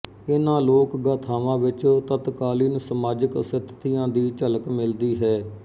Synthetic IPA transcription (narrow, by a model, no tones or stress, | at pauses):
ɪnãːloːkɡaːt̪ʰaːʋãːʋɪt͡ʃt̪ət̪kaːliːnsəmaːd͡ʒəksɪt̪ʰːt̪ijãːd̪iːt͡ʃələkmɪld̪iːɦɛː